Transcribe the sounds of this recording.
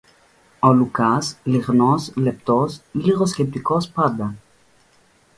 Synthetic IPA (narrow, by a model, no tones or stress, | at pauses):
ɔlukasliʁnɔslep̚t̪ɔsliʁoskep̚t̪ikɔspad̪a